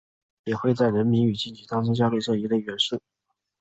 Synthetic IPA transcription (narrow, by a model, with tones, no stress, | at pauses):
jɛ˨˩xwe˥˧ɪt͡sa˥˩ɪɻə˧˥nmi˧˥ny˨˩t͡ɕi˥˩nt͡ɕʰi˨˥t̪ʰɑ˥ŋʈ͡ʂɤ˥ŋɕjɑ˥ʊle˥˧ʂɤ˥˩i˧˥le˥˩ɪɥɛ˧˥nʂə˥˩